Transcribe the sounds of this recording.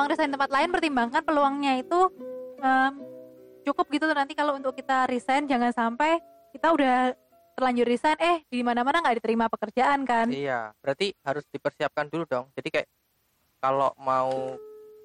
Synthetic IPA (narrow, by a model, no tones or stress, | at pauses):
aŋrisant̪əmpat̪laɪnpərt̪imbaŋanpəluaŋɲait̪uʔəmt͡ʃukʊp̚ɡit̪ut̪nant̪ikalount̪ʊkːit̪aɾisajnd͡ʒaŋansampɛj | kit̪audah | t̪ərlaɲd͡ʒʊt̪̚risanɛhdimanamanaŋɡaʔdit̪əɾimapəkərd͡ʒaʔankanija̰b̥əɾat̪ihaɾʊsd̥ipərsiap̚kanduludɔŋd͡ʒadikajaʔ | kalo̰mau